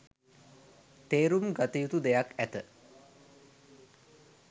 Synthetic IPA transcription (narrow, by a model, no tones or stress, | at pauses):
t̪eːɾumɡat̪əjut̪ud̪ejakæt̪ə